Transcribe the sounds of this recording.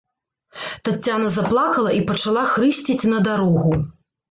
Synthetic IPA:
t̪at͡sʲːanɐzaplˠakɐlˠɐipɐt͡ʂalˠaxɾɨsʲt͡sʲit͡sʲnɐd̪aɾɔɣu

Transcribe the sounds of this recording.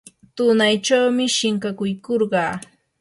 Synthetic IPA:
t̪ʊnajt͡ʃawmɪʃɪŋkakʊjkoɾɢɑː

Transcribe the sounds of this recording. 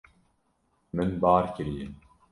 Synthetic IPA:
mɨnbaːɾkɨɾijɪn

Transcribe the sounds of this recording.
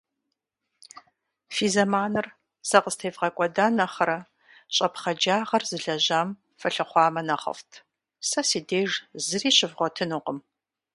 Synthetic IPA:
fiːzɐmaːnɨr | sɐqəstʰeːvʁɐkʷʼɔdaːnɐχɐɾɐ | ɕʼɐpχɐd͡ʒaːʁɐrzɨɮɐʑaːm | fɐɬɨχʷɑːmɐnɐχɐ̰ftʰ | sɐsiːdeːʒzɨriːɕɪvʁʷɔtʰɨnuqəm

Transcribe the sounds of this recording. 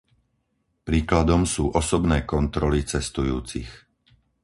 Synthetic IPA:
pɾiːklad̪ɔmsuːʔɔsɔbnɛːkɔnt̪ɾɔlit͡sɛst̪ujuːt͡sḭx

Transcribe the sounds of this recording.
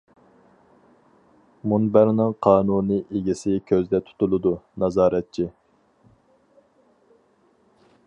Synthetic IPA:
munbæɾnɨŋqʰɑːnunɨʔeɡʲisɪkʲʰøzd̪ɛt̪ʰu̥t̪ulˠɨd̪unɑzɑːɾɛt̪̚t͡ʃʰi

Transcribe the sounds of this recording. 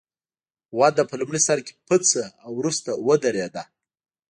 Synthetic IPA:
wɑd̪apəlumɽisaɾke̥pət͡səawɾust̪awəd̪aɾed̪a

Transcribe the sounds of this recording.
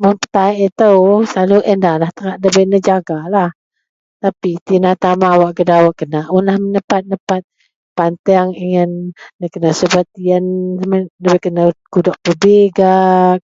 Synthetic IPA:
məpə̥t̪aʔit̪əwsaluʔəndalaht̪əŋaʔdəbənəd͡ʒaɡalah | t̪apit̪inat̪amaːwaʔkədawaʔkənaʔunlahmənəpat̪̚nəpat̪̚ | pant̪ɛaŋiŋənːəkənasəbat̪iənmələbɛkənakudɔʔ̚pubiɡak̚

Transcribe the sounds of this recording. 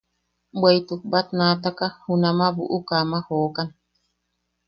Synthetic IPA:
bwajt̪uk̚bat̪̚naːt̪akahunãmãbṵʔukamahoːkan

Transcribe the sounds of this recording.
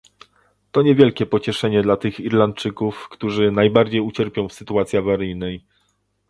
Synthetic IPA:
t̪ɔɲɛvʲjɛlkʲɛpɔt͡ɕɛʂɛɲɛd̪lat̪ɘxiɾlant̪̚t͡ʂɘkufkt̪uʐɘnajbaɾd͡ʑejut͡ɕɛɾpʲjɔ̃w̃fsɘt̪uat̪sʲjiavaɾɘjnɛj

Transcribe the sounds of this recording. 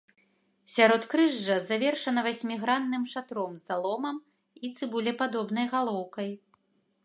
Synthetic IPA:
sʲaɾɔt̪kɾɨʐːɐzavʲɛrʂɐnɐvasʲmʲiɣɾanːɨmʂat̪ɾɔmzalˠɔmɐm | it̪sɨbulʲɛpad̪ɔbn̪ɐjɣalˠɔwkɐj

